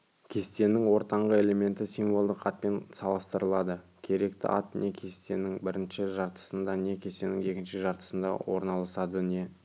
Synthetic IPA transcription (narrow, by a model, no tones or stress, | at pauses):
kʲʰe̞st̪e̞nːɪŋwo̞ɾt̪ɑɴʁəe̞le̞me̞nt̪ɪsijɱvo̞lˠd̪əqɑt̪̚pe̞nsɑlˠəst̪əɾəlˠɑd̪ə | kʲʰe̞ɾe̞kt̪ɪ̰ʔɑ̰t̪ne̞kʲʰe̞st̪e̞nɪŋbɪɾɪnʃɪʒɑɾt̪ə̥sənd̪ɑne̞kʲʰe̞st̪e̞nɪŋe̞kʲɪnʃɪʒɑɾt̪ə̥sənd̪ɑ̰wo̞̰ɾnɑlˠəsɑd̪əne̞